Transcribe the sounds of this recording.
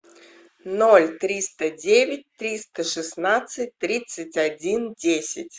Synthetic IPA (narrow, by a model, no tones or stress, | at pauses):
nolʲt̪ɾʲist̪ədʲevʲɪt̚ʲt̪ɾʲist̪əʂɨsnat̪sɨt̚ʲt̪ɾʲit̪sɨtʲadʲindʲesʲɪtʲ